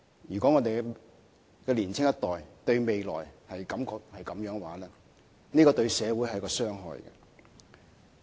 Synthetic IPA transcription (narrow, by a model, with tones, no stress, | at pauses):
jyː˨˩kʷɔː˨˥ŋɔː˨˧t̪e˨j | kɛː˧liː˨˩nt͡sʰɪ˥ŋjɐ˥t̪ɔː˨jt̪ɵ˧ɥme˨jlɔ̰ː˨˩jhɐ˨jkɐ˨˥mkɔː˧k̚hɐ˨jkɐ˨˦mjœː˨˥ŋ˧waː˨˥lɛː˥ | niː˥kɔː˧t̪ɵ˧ɥsɛː˨˧wuː˨˥jhɐ˨jkɔː˧sœː˥ŋɦɔ̰ː˨jkɛ̰˧